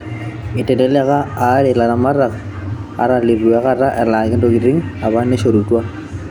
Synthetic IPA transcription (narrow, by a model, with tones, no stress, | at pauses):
ɪ˨tɛ˨dɛ˦lɛ˦kaː˦ɾɪ˨la˨ɾama˦ra˨k | a̰˨ɾa˦lɪ˨ru˨a˦ka˦ra˦ʔɛ˨laː˨kɪ˦do˦ki˨ɾi˦ŋa˨ba˦ne˦ʃo˨ɾu˨twa˦